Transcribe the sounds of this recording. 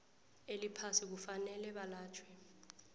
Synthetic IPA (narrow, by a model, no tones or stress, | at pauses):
elipʰasik̬ufanɛlɛɓalaːt͡ʃʰwɛ